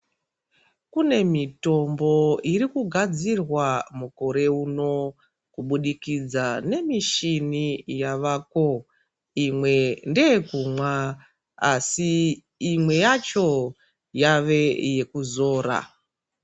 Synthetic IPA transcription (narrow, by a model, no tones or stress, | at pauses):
kune̞mito̞mbo̞irikuɡʱad͡zirwamuko̞ɾe̞uno̞ | kuɓuɗikid͡zane̞miʃinijaʋaːko̞ | imwe̞ndeekumwa | asiː | mwe̞jat͡ʃo̞ | jaʋe̞je̞kuzo̞ːɾa̰